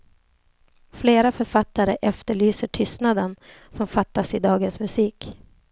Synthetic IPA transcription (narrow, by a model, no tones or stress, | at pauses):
fleːɾafœɾfat̪ːaɾəʔɛft̪əɭyːsəʈʰʏst̪nad̪ən | sɔmfat̪ːasɪd̪ɑːɡənsmɵsiːk